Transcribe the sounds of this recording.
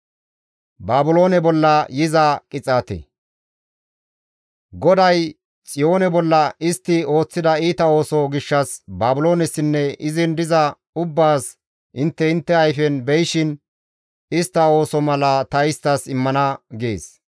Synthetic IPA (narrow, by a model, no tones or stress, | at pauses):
baːbʊlo̞ːnɛbɔlːɐjɪzɐkʼɪt͡sʼaːt̪ɛ̰ | ɡɔd̪ɐj | t͡sʼɪjo̞ːnɛbɔlːɐɪst̪ːɪo̞ːt͡sːɪd̪ɐiːt̪ɐo̞ːsɔɡɪʃːɐsbaːbʊlo̞ːnɛsːɪnːɛʔɪzɪnd̪ɪzɐ | ʊbːaːs | ʔɪnt̪ːɛɪnt̪ːɛɐjfɛnbɛjʃɪn | ɪst̪ːɐo̞ːsɔmɐlɐt̪ɐɪst̪ːɐsɪmːɐnɐɡḛːs